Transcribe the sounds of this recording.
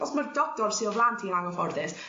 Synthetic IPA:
ɔsmərdɔk̚tɔrsiɔvlˠantʰiaŋɔfɔrðɪs

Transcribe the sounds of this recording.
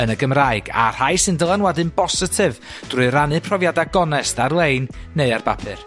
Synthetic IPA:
ənəɡəmraɨɡa̰r̥ajsɨndəlˠanwɛdɨnbɔsɪtʰɨv | d̥rʊɨɾanɨpʰrɔvjadaɡɔnɛstarlˠejnːeɨarbapʰɨ̰r

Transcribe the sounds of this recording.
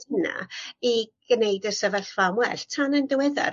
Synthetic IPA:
əna̰iɡ̥nejdəsəvəɬvamwɛɬtʰanəndəwɛða̰

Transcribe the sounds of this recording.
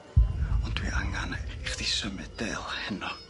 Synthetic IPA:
ʊntwḭʔaŋaniχd̥isəmɛd̥ɛ̰lˠhɛnɔ

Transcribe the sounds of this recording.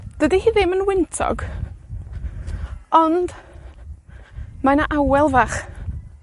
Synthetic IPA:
d̥ədihiːðɪmənwɪntʰɔ̰ɡ | ɔnd̥ | manaʔawɛlˠvaχ

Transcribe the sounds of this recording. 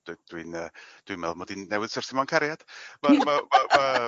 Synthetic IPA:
d̥d̥winəːd̥wimɛlˠmɔdinːɛwɨð̥sɔrsɪmaŋkʰaɾjad̥mamamama

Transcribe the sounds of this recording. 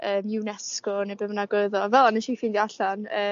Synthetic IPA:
əːmɪnɛskɔnebəmənaɡwʊɨðɔvɛlˠanəʃifiːndiaɬanəː

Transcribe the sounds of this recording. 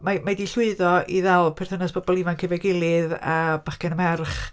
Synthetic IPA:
mamadiɬʊɨðɔiðɛlˠpʰɪr̥θənasb̥ɔbɔlˠivankʰəvɛɡɪlˠɨða̰b̥aχkɛnəmɛrχ

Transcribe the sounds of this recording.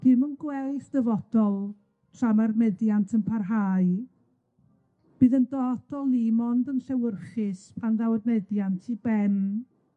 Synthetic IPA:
d̥ɨmənɡwɛlθd̥əvɔd̥ɔlˠ | tʰramarnɛdjantʰənpʰarɦaːɨ | b̥ɨːðəndɔd̥ɔlˠimɔndənɬɛwərχɪspʰanðawərnɛdjantʰibɛn

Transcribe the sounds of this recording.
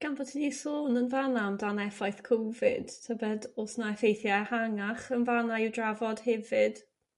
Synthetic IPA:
ɡ̥anvɔtʰidisoːnənvanamdanɛfajθkʰowvɪ̰d̥tʰəbɛdosnaɛfejθjahaŋaχənvanaiwdravɔd̥hɛvɪd̥

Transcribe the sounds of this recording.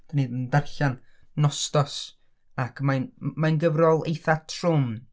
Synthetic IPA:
d̥anidəndarɬan | nɔstɔs | akʰmajnmajnɡəvrɔlˠḛjθatʰrʊm

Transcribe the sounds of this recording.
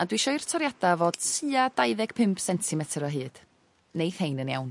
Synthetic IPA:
adwiʃɔɨrtʰɔɾjadavoːd̥tʰɨːadajðɛɡ̥pʰɪmpʰsɛntʰɪmɛtʰɾɔɦɨːd̥ | nejθhejnənja̰wn

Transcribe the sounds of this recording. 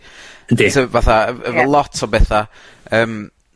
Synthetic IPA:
diəvaθaəəvəlˠɔtʰɔbɛθa | əːm

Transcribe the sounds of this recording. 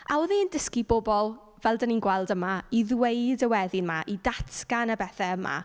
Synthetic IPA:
a̰ɔðɪndəskibɔbɔlˠ | vɛlˠdəninɡwɛlˠdəmaiðweɨdəwɛðɪnmaʔidatʰɡ̥anəbɛθɛəma̰

